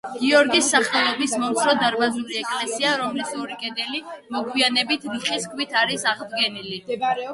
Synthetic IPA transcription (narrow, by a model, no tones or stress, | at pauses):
ɡ̥iɔɾɡisːaχɛlˠɔbismɔmt̪sʰɾɔd̪aɾbazuliɛkʼlɛsiaɾɔmlisuɾikʼɛd̪ɛlimɔɡwianɛbit̪ʰɾiχiskʰwit̪ʰaɾisaʁd̪ɡɛnili